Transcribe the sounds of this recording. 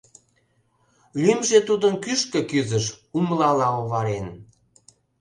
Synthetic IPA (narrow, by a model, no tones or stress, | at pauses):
lymʒet̪ud̪ənkyʃkə̆kyzəʃumlɑlɑoβɑɾen